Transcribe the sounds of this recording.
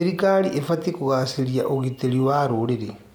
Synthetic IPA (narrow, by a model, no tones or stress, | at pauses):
eɾikaliʔefatikuɣasiɾjaʔoɣiteɾiwaɾuɾeɾe